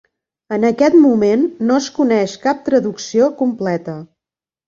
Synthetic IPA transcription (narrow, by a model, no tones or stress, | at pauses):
ənəkɛt̪mumenːoəskunɛʃkap̚t̪ɾəðuksiokumplɛt̪ə